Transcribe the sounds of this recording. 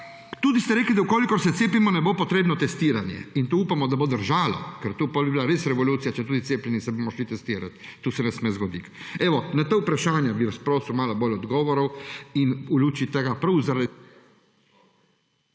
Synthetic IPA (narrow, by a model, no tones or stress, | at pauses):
t̪uːd̪ist̪ɛɾeːklid̪aukoːlikɔɾsɛt̪seːpimɔnɛbopɔt̪ɾeːbnɔt̪ɛst̪iːɾanjɛ̰int̪uuːpamɔd̪abod̪əɾʒaːlɔ̰kɛɾt̪uːpɔlbibilaɾesɾɛʋɔluːt̪sijat͡ʃɛt̪uːd̪it̪eːplɛnisɛbomɔʃlit̪ɛst̪iːɾa̰t̪tːuːsɛnɛsmezɡɔd̪ikɛʋɔnat̪aupɾaʃaːnjabiʋaspɾoːsumaːlaboːlʲɔd̪ɡɔːʋɔɾɐwinuluːt͡ʃit̪ɛɡapɾɐwzaɾa